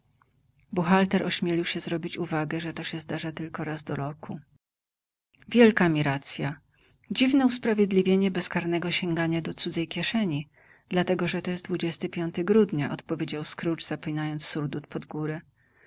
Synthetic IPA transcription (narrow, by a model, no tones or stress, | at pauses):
buxalt̪ɛɾʔɔɕmʲjelʲiwɕɛzɾɔbʲit͡ɕuvaɡɛʐɛt̪ɔɕɛzd̪aʐat̪ɘlkɔɾazd̪ɔlɔku | vʲjɛlkamʲiɾat̪sʲja | d͡ʑivnɛuspɾavʲjed̪lʲivʲjeɲɛbɛskaɾnɛɡɔɕɛŋɡaɲad̪ɔt̪sud̪zɛjkʲjɛʂɛɲi | d̪̥lat̪ɛɡɔʐɛt̪ɔjɛsd̪vud͡ʑɛst̪ɘpʲjɔnt̪ɘɡɾud̪ɲaʔɔt̪pɔvʲjed͡ʑawskɾut͡ʂz̥apinajɔnt̪sːuɾd̪ut̪pɔd̪ɡuɾɛ